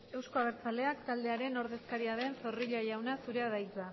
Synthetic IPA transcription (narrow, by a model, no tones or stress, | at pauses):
e̞wsko̞aβeɾt͡sald̪e̞akt̪ald̪e̞aɾe̞no̞ɾðe̞skaɾiaðe̞nso̞riʎaʝawnasuɾe̞aðajt͡sa